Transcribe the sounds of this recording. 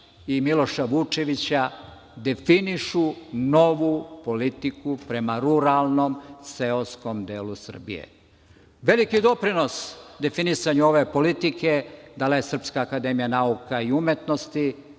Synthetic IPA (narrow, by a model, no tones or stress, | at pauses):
imilˠo̞ʃaʋut͡ʃe̞ʋit͡ɕa | d̪e̞finiʃuno̞ʋupo̞lit̪ikupɾe̞maɾuɾalˠno̞mse̞osko̞md̪e̞ːlusr̩bḭje̞̰ | ʋe̞likid̪o̞pɾino̞sd̪e̞finisaɲuo̞ʋe̞po̞lit̪ike̞d̪alejesr̩pskaːkad̪e̞mijanaukʰaiumjet̪nost̪i